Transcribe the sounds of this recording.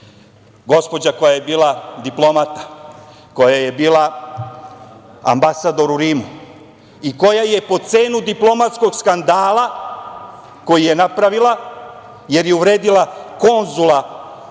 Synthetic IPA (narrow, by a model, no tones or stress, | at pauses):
ɡo̞spo̞d͡ʑako̞jajebiːlˠad̪iplˠo̞mat̪ḁ | ko̞jaje̞biːlˠa | a̰mbasad̪o̞ɾuɾiːmu | iko̞jaje̞po̞t̪se̞ːnud̪iplˠo̞mat̪sko̞ɡskand̪aːlˠa | ko̞jije̞napɾaʋilˠa | je̞ɾjeuʋɾe̞ːd̪ilˠako̞nzulˠa